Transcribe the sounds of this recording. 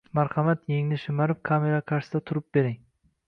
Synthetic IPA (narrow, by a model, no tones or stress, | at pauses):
maɾχɑmat̪je̞ŋnɪʃɪmaɾɪp̚kʰame̞ɾakʰaɾʃsd̪at̪ʰʊɾɪp̚be̞ɾɪŋ